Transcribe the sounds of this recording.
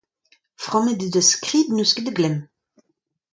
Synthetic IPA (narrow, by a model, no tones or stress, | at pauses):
fʁɑ̃med̪id̪əskχiːd̪nyskəd̪əɡlɛm